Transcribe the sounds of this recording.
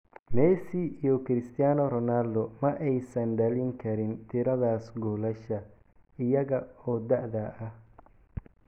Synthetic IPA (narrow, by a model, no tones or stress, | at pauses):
mɛːsiijɔkʰɾɪst̪ʰɪjaːnɔɾɔnaːld̪ɔmɐʔɛjsɐnɖɐlɪŋkʰɐɾɪnt̪ʰɪɾɐðaːsɡɔːlɐʃɐ | ɪjɐɣɐɔːd̪ɐʔðɐʔɐh